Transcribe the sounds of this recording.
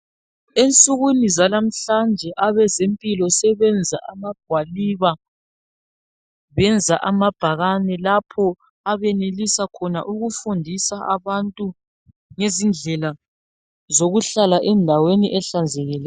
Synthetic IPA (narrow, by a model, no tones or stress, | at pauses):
ent͡sʼuɣunizalam̩ɬand͡ʒʱɛʔaβɛzempʼilɔsɛβɛnd͡zʱa̰ʔamaɡ̥ʱwaliβa | βɛnd͡zʱaʔamab̥ʱaɣanɛlapʰɔ | aβɛnelisakʰɔna̰ʔuɣufundʱisaaβantʼu | ŋezind͡ɮʱɛla | zoɣuɬalaʔɛndʱaweniʔɛɬand͡zʱeɣilɛ